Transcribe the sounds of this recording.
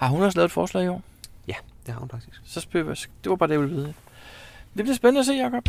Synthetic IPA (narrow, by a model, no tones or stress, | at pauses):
hɑ̈ɦunɒ̽s̬lɛːʊ̥fɒːslɛ̰ːiɒ̰ː | jæd̥ehɑ̈hunfɑ̈ɡ̥̚d̥isɡ̥sɒ̽sb̥ø̰̥sɡ̥d̥e̝ʋɑ̈b̥ɑ̈ːd̥æjʋilʋiːð̞̩ˠe | d̥e̝b̥liɐsb̥enənəæse̝̰ːjɑkʰɒ̽b̥